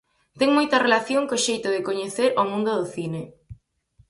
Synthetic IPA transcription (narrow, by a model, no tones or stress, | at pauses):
t̪ɛŋmojt̪ɐrelaθjoŋkoʃejt̪ʊðɪkoɲeθeɾomũnd̪ʊðʊθinɪ